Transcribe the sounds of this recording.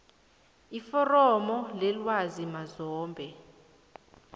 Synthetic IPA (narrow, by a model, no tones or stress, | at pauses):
ifɔrɔmɔlɛlwazimazɔːmbʱɛ